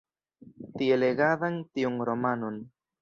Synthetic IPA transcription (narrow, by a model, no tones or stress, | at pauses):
tieleɡaðantiunɾomanon